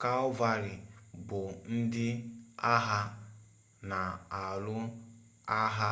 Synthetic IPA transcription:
ka˦ɔ˦va˦ɾɪ˨bʊ˨n̩˦dɪ˦a˦ɦa˦ | na˨a˨lʊ˦ | a˦ɦa˦

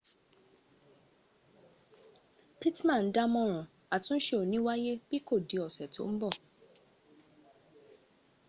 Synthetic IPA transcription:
pi˦tmã˦˨n̩˦da˦mɔ̃˧ɾ̃ɔ̃˨ | a˨tũ˦ʃe˦o˨nĩ˦wa˦je˦b̥i˦ko˦˨di˨˦ɔ˨sɛ˨tʰo̰˨˦m̩˦bɔ˦˨

